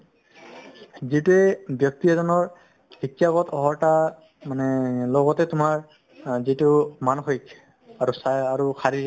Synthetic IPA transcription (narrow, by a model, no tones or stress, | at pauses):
zituɛbjɔk̚tiɛzɔnɔɹ | b̥itijaɡɔtʰɔɦɔɹta | manɛlɔɡɔtɛtʊmaɹ | zitʊmanxojk | aɹusajaɹukʰaɹi